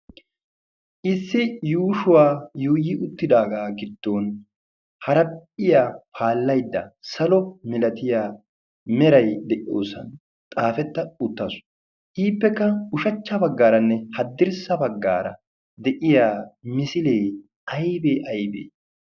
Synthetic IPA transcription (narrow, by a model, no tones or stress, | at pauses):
ʔɪsːɪjuːʃʊwaːjuːjɪʔʊt̪ːɪd̪aːɡaːɡɪd̪̥ːoːn | hɐɾɐɪjaːpʰaːlːɐjd̪ːɐsɐlɔmɪlɐt̪ɪjaː | mɛɾɐjd̪ɛʔɪjo̰ːsɐ̰n | t̪ʼaːfɛt̪ːɐʊt̪ːɐsʊ̥ | ʔiːpːɛkːɐʊʃɐt͡ʃːɐbɐɡːaːɾɐnːɛhɐd̪ːɪɾsɐbɐɡːa̰ːɾɐ̰ | d̪ɛʔɪjaːmɪsɪleː | ɐjbeːʔɐjbḛː